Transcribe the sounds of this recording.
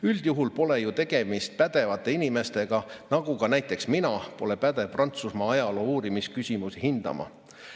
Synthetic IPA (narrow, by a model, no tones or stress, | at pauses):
yld̪̥juɦulpo̞le̞jut̪e̞ɡ̥e̞mist̪̚pæd̪̥e̞vɑt̪ːˑe̞inime̞st̪e̞ɡ̥ɑnɑɡukɑnæjt̪ːˑe̞ksminɑpo̞le̞pæd̪̥e̞vprɑnt̪susmɑɑjɑlo̞ːuːɾimiskysʲimusihind̪̥ɑ̰mɑ̰